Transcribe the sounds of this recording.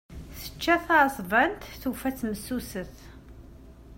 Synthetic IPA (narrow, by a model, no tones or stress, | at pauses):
sə̥t͡ʃːæθasˤvænt̪θufæt͡sːməsːusəθ